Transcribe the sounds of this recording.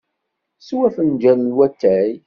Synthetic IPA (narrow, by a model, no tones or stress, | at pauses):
swæfənd͡ʒænnwæt̪ːæj